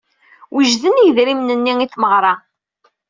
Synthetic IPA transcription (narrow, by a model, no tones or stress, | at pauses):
wiʒðənijðɾimnənːiiθməʁɾˤɑ